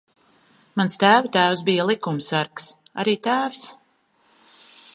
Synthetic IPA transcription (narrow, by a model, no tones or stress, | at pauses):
manst̪æːvut̪æːwsbijalˠikumsaɾks | a̰ɾiːt̪æːvs